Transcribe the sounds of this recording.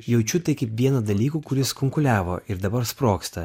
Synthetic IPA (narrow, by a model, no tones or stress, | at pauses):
jɛʊt͡ʃʲuːt̪ɐɪkʲɐɪpʋʲiɛnɐd̪ɐlʲiːkuːkʊɾʲɪskʊŋkʊlʲæːʋo̰ːʔɪɾd̪ɐbɐɾspɾoːkst̪ɐ